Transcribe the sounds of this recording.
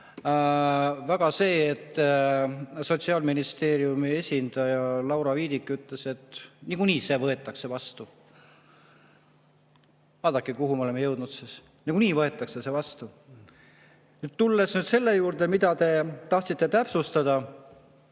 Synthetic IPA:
væɡ̥ɑse̞ːet̪ː | so̞t̪ʲsiɑːlminist̪e̞ːɾijumie̞sʲind̪̥ɑjɑlɑwɾɑviːd̪ikːˑyt̪ːˑle̞se̞t̪ːˑnikuniːse̞vɤ̞e̞t̪ːˑɑkse̞vɑst̪u | vɑːd̪̥ɑkːˑekuɦumeoemejɤwd̪̥nud̪sis | niɡ̥uniːvɤe̞t̪ːˑɑksese̞vɑst̪u | nyːt̪t̪ulːe̞snyːd̪se̞lːe̞juːɾd̪e̞mid̪̥ɑt̪e̞t̪ɑht̪sit̪ːe̞t̪æpsust̪ɑd̪̥ɑ

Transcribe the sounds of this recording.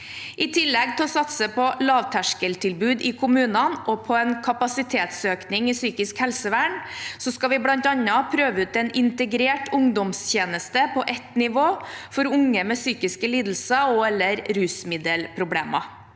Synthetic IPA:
ʔɪt̪ʰɪlːɛɡ̚t̪ʰɪlɔsɑt̪səpʰɔlɑːʋt̪ʰæʂkəlt̪ʰɪlbʉːd̪ɪkʰʊmʉːnɑnʔɔpʰɔɛnkʰɑpɑsɪt̪ʰeːt̪søːknɪŋɪsyːkɪskhɛlsəʋæːɳsɔskɑʋɪblɑnt̪ɑnːɑpʰɾøːʋəʉːt̪ɛnɪnt̪əɡɾeːʈʰʊŋd̪ɔmst̪jeːnəst̪əpʰɔʔɛt̪nɪʋoːfɔɾʊŋːəmɛsyːkɪskəliːd̪l̩səɔɛlːəɾɾʉːsmɪd̪əlpʰɾʊbleːmɑ

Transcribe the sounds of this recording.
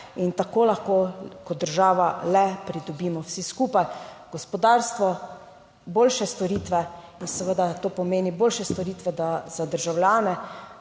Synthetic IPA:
int̪akoːlaxkoːkɔt̪d̪əɾʒaːʋalɛpɾid̪ɔbiːmɔwsiskuːpajɡ̥ɔspɔd̪aɾst̪ʋɔ | boːlʃɛst̪ɔɾiːt̪ʋɛ | insɛʋəd̪at̪oːpɔmeːniboːlʃɛst̪ɔɾiːt̪ʋɛd̪az̥ad̪əɾʒawljaːnɛ

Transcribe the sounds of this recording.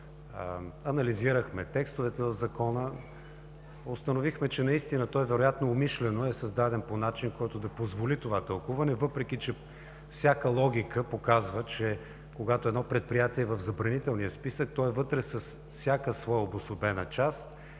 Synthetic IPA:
ɐnɐliziɾəxmɛt̪ɛkst̪ovɛt̪ɛɐvzɐkɔnə | ost̪ənovixmɛt͡ʃɛnɐist̪inət̪ɔɛvɛɾojat̪noːmiʃlɛnoɛsɐzd̪ad̪ɛnponat͡ʃinkɔjt̪od̪ɐpozvolit̪ovat̪əlˠkuvɐnɛvɤpɾɛk̟ʲit͡ʃɛ | fsʲakəlˠɔɡ̟ʲikəpokazvət͡ʃɛ | koɡat̪oɛd̪nɔpɾɛt̪̚pɾijat̪iɛvəvzɐbɾɐnit̪ɛlˠnijəspisək̚t̪ɔɛvɤt̪ɾɛsəsfsʲjakəsvɔjəobosobɛnət͡ʃast̪

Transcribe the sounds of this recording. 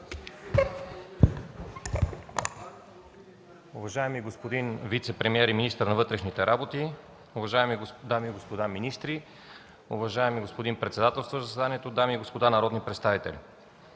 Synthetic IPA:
uvɐʒaɛmiɡospod̪invit̪sɛpɾɛmiɛɾiminist̪əɾnɐvɤt̪ɾɛʃnit̪ɛɾʔabot̪i | ʊvɐʒaɛmid̪amiːɡospod̪aminist̪ɾi | ʊvɐʒaɛmiɡospod̪inpɾɛt̪sɛd̪at̪ɛlˠst̪vozɐsɛd̪aniɛt̪od̪amiːɡospod̪anɐɾɔd̪nipɾɛt̪st̪avit̪ɛ̰lʲ

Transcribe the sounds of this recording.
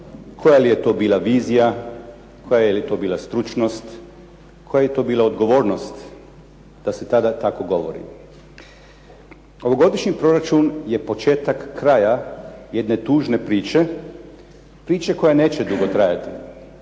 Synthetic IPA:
kʰo̞jalijet̪o̞ːbiːlaʋiːzija | kʰo̞jajilit̪o̞biːlast̪ɾut͡ʃnost̪ | ko̞jajet̪o̞ːbiːlˠaod̪ɡo̞ʋo̞ːɾno̞st̪ | d̪̥ase̞t̪ad̪at̪ako̞ɡo̞ʋo̞̰ɾḭ | o̞ʋo̞ɡo̞d̪iʃɲipɾo̞ɾat͡ʃunje̞po̞t͡ʃeːt̪akːɾajaje̞d̪ne̞t̪uːʒne̞pɾiːt͡ʃe̞ | pɾiːt͡ʃeko̞jane̞ːt͡ʃed̪uɡo̞t̪ɾajat̪i

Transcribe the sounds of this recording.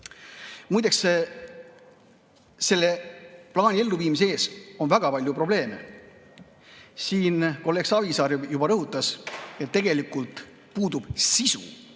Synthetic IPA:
mujd̪̥eks | se̞lːe̞plɑːnʲie̞lːuviːmis̬ee̞ːso̞nvæɡ̥ɑpɑlʲjupro̞ble̞ːme̞̰ | siːnko̞lːeksɑvisɑːɾjubɑɾɤɦut̪ːˑɑse̞t̪ːe̞ɡ̥e̞likˑult̪ˑ | puːd̪ub̥sisṵ

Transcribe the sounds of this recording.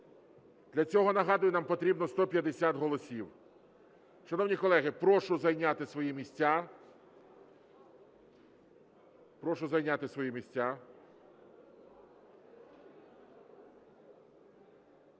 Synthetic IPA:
d̪̥lʲɐt͡sʲɔɦɔnɐɦɑd̪ʊjʊnɑmpɔt̪ɾʲibnɔst̪ɔpʲjɐd̪esʲat̪ɦɔlˠɔsʲiw | ʃɐnɔwnʲikɔlˠɛɦɪpɾɔʃʊzɐjnʲat̪ɪsʋɔjimʲisʲtʲːa | pɾɔʃʊzɐjnʲat̪ɪsʋɔjimʲisʲt͡sʲa

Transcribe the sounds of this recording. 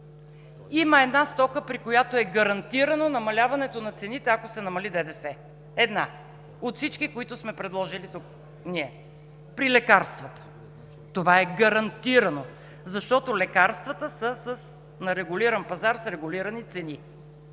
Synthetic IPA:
iməɛd̪nast̪ɔkəpɾikojat̪oɛɡɐɾɐnt̪iɾənonɐmɐlʲavɐnɛt̪onɐt̪sɛnit̪ɛɐkosɛnɐmɐlid̪ɛd̪ɛsɛ | ɛd̪na | ot̪fsit͡ʃkikoit̪ʊsmɛpɾɛd̪lˠɔʒilit̪uk̚ | niɛ | pɾilɛkaɾst̪vət̪ə̥ | t̪ovaɛɡɐɾɐnt̪iɾɐno | zɐʃt̪ɔt̪olɛkaɾst̪vət̪əsəsəs | nɐɾɛɡʊliɾɐnpɐzaɾsɾɛɡʊliɾɐnit̪sɛni

